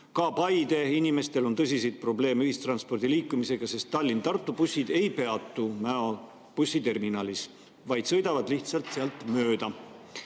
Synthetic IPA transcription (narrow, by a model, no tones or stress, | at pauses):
kɑːpɑjd̪̥e̞inime̞st̪e̞lo̞nt̪ɤsisijt̪̚pro̞ble̞ːmeyhist̪rɑnspo̞rd̪̥iliːkːˑumise̞ɡ̥ɑse̞st̪ːɑlʲːint̪ɑrt̪ːˑupusːid̪̥e̞jpe̞ɑt̪ːˑumæo | pusːit̪e̞rminɑːlis | vɑjd̪sɤ̞jd̪ɑvɑd̪liht̪sɑlt̪seɑlt̪ːˑmøːd̪̥ɑ